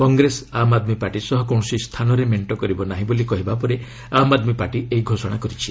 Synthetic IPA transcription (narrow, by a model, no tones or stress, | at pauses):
kɔŋɡɾesamad̪mipaɾʈisɔɦɔkɔw̃ɔsist̪ʰanɔɾemeɳʈɔkɔɾibɔnaɦĩbolikɔɦibapɔɾe | amad̪mipaɾʈiʔeɦiɡʱosɔɽ̃akɔɾit͡ʃʰi